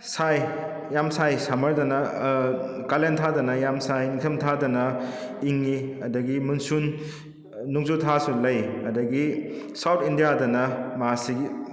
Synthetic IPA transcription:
saj | jamsajsamɐɾdɐnɐ | kalentʰadɐnɐjamsajniŋtʰɐmtʰadɐnɐiŋniɐdɐɡimunsunː | uŋzutʰasulɐjɐdɐɡisawtʰindijadɐnɐmaasiɡi

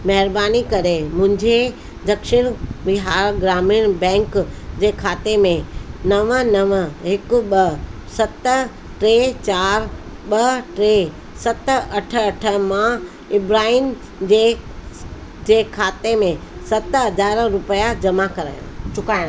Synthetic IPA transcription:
mɐɦɪɾbaːnikɐɾemʊ̃ɦɪ̃ɲd͡ʑe | d̪ɐkʃɪɽ̃bɪɦaːɾɡɾaːmiñbɛ̃ːŋkd͡ʑeːkʰaːt̪emẽnɐʋənɐʋəɦɪkʊ̆ɓɐsɐt̪ | ʈɾeːt͡ɕaːɾ | ɓɐʈɾe | sɐt̪ɐʈʰəɐʈʰə̆mã | ɪbɾaːin | d͡ʑeː | d͡ʑeːkʰaːt̪emẽsɐt̪ɦɐzaːɾɾʊpəjad͡ʑɐmakɐɾa̰ːjã̰t͡ɕʊkaːɽ̃

